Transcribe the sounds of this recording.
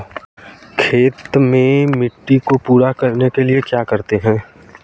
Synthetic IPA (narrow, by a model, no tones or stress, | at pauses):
kʰeːt̪mẽmɪʈːikopuːɾakɐɾnekeliekjaːkɐɾt̪eɦɛ̃ː